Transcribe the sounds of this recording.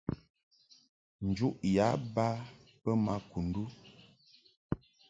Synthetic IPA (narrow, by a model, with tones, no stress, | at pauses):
n̩˨d͡ʒu˦ʔja˨˦ba˦ | pə˦ma˦ku˨n˨du˦